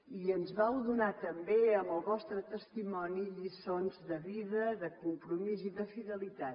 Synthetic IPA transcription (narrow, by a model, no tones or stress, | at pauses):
iənzβawðunat̪əmbeəmbəlˠβɔst̪ɾət̪əst̪imɔniʎisonzðəβiðəðəkumpɾumiziðəfiðəlit̪at̪